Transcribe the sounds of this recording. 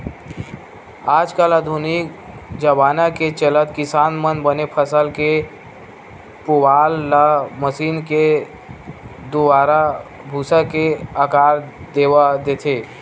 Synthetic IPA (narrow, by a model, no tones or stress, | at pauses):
aːd͡ʒkəlad̪ʱunik̚ | d͡ʒəbaːnaket͡ʃələt̪kɪsaːnmənbənepʰəsəlke | pʊbaːlːaməsiːnke | d̪ʊbaːɾa | bʱusakeakaːɾd̪eːʋad̪et̪ʰe